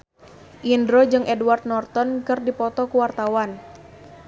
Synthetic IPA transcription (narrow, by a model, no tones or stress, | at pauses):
ʔindɾod͡ʒɨŋʔɛduward̪̚nɔrt̪ɔnkɨrdipɔt̪ɔkuwart̪awan